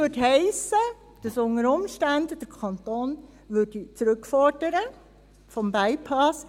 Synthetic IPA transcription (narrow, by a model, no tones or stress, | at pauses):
ødɦɛɪsə | d̥ɑsʊŋəɾʊmʃtændd̥əɾkʰɑnt̪oːn | ʋʏd̥it͡sɾʏkfɔɾdəɾə | fɔmbæɪpʰɑs